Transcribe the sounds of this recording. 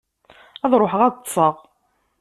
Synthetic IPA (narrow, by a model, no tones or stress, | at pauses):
æðˤɾˤoħəʁæðˤt̪ˤːsˤəʁ